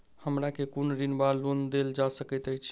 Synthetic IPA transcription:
həmɾakekonɾinbaɾlond̪eld͡ʒasəkət̪əjt͡ʃʰ

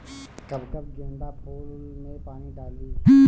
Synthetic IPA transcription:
kɐbkəbd͡ʒẽːnd̪aːpʰuːllmepaːniɖaːliː

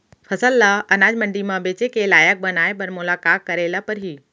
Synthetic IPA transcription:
fʰɐsəlːaʔɐnaːd͡ʒmɐ̃ɳɖimãbeːt͡ʃekelaːjək̚bɐnaːepɐɾmʊlaːkaːk̪̚kɐɾeːlapɐɾɦiː

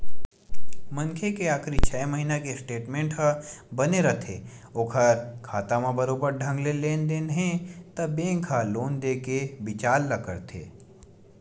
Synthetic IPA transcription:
mə̃ŋkʰekeaːkɾit͡ʃʰɛːməɦiːnakesʈeːʈmẽːɳʈɦəbɐneɾɐt̪ʰḛ | oːkʰəɾkʰaːt̪amãbəɾoːbəɾɖʱɐ̃ŋɡleleːnd̪eːnɦẽt̪ɐbẽːŋkʰaloːnd̪ekebɪt͡ʃaːlːɐkə̰ɾt̪ʰḛː

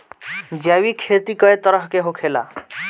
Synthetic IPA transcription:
d͡ʒjawikʰeːt̪ikəet̪əɾəɦkeɦokʰela̰

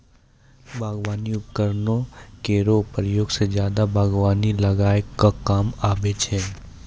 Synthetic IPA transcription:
bʱaːɡʋaːniʊpkəɾnõkeɾoːpɾəjoːɡsezjaːd̪abʱaːɡʋaːnilɐɡaːekakaːmaːbet͡ʃɦɛː

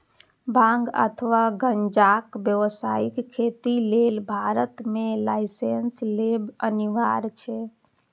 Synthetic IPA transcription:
bʱãŋɡə̰t̪ʰəʋaɡənd͡ʒakbjəʋsaikkʰːet̪ilelbʱaɾət̪melaɪsenslebəniʋaɾt͡ʃʰɛ

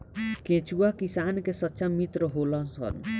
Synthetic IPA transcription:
kẽt͡ʃuakisaːnkesətːʃamit̪ɾəɦoːlənsə̰n

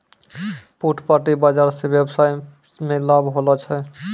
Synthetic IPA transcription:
puʈʰpaʈibad͡ʒaɾsebjebsaj | melabɦolɔt͡ʃʰɛ

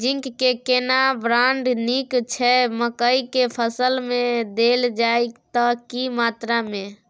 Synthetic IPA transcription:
d͡ʒiŋkːekenabɾaɳɖnikt͡ʃʰɛməkəikepʰəsəlmed̪eld͡ʒajt̪əkimat̪ɾamẽ

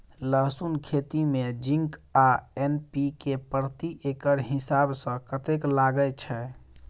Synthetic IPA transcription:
ləɦsunkʰet̪imed͡ʒĩŋkaenpikepɾt̪iʔekəɾɦisabsə̃kət̪eklaɡət͡ʃʰɛ

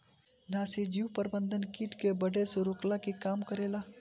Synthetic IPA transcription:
naːsid͡ʒiupəɾbə̃nd̪ənkiːʈkebəɖʱeseɾʊklakikaːmkəɾeːlaː

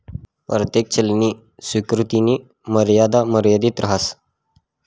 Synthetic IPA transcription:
pɾət̪ek̚t͡ɕʰəlniː | swikɾut̪iniː | məɾjad̪aməɾjad̪iːt̪ɾəɦas

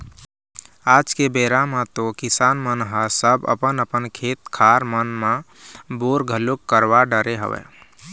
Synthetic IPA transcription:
ad͡ʒkebeɾamãt̪okisaːnmənɦəsəbə̰pənəpənkʰet̪kʰaɾmənmã | boɾɡʱəlokːəɾʋaɖəɾeɦə̰ʋɛ̰

